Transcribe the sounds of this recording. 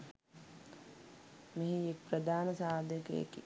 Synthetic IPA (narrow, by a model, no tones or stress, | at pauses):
meɦiek̚pɾəd̪ʱaːnəsaːd̪ʱjəkḛḛki